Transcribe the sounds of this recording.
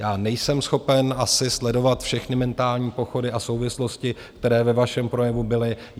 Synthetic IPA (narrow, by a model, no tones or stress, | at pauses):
jaːnɛjsɛmsxo̞pɛnasɪslɛdo̞vat̪fʃɛxnɪmɛnt̪aːlɲiːpo̞xo̞dɪʔaso̞wvɪslo̞scɪkkt̪ɛɾɛːvɛvaʃɛmpɾo̞jɛvubɪlɪ